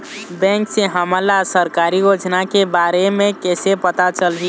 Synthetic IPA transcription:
bɛ̃ŋkseɦəməlasəɾkaɾijod͡ʒnakebaɾemẽkɛsepət̪at͡ʃəlɦi

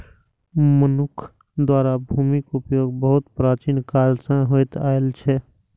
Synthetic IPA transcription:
mənʊkʰ | d̪waːɾabʱuːmikʊpjoːɡbəɦʊt̪pɾaːt͡ʃiːnkaːlsãɦojt̪aːelt͡ʃʰɛ

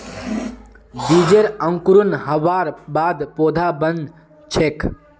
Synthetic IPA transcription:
b̪iːd͡ʒeɾə̃ŋkuɾunɦəʋaːɾbaːd̪poːd̪ʱaːbən | t͡ʃʰeːk

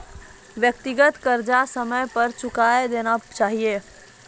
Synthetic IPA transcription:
ʋjək̚t̪iɡət̪kəɾd͡ʒasəməjpəɾt͡ʃʊkaed̪enat͡ʃaːɦije

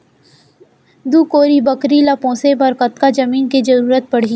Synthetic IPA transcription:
d̪uːkoːɾibɐkɾilapɔ̃ːsebɐɾkɐt̪kad͡ʒɐmiːnkid͡ʒɐɾuːɾət̪̚pɐɽ̤i

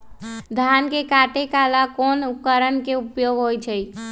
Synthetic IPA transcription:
d̪ʱankekaʈekalakonukəɾənkeupjoɡɦojt͡ʃʰəj

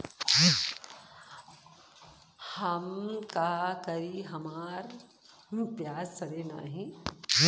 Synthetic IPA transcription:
hɐmkakɐɾiɦɐmaːɾ | pjaːd͡ʒsɐɽeːna̰ːɦĩ

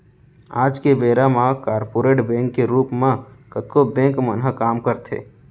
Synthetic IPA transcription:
a̰ːd͡ʒkebeːɾamãkaːɾpoːɾeːʈbɛ̃ːŋkːeɾuːpmãkət̪kobɛ̃ːŋkmənɦəkaːmkəɾt̪ʰḛː

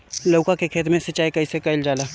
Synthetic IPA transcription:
lɐkakekʰeːt̪mẽsɐt͡ʃaːjkɐisekɐɪld͡ʒaːlaː

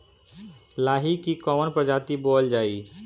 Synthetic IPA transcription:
laːɦikikɔmənpɾəd͡ʒaːt̪iboːld͡ʒaːi

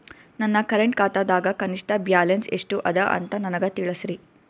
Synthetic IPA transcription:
nɐnːɐkɐɾeɳʈ̚kaːt̪ad̪aːɡɐkɐniʂʈɐbjaːlenseʂʈuʔɐd̪ɐʔɐ̰nt̪ɐnɐnɐɡɐt̪iɭɐsɾi

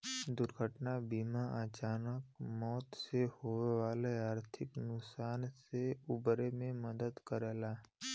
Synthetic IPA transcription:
d̪ʊɾɡʱəʈnabiːmaʔət͡ʃaːnəkmɔːt̪sehoʋeʋaːleaːɾt̪ʰɪknʊksaːnseubɾemẽməd̪əd̪kəɾelaː

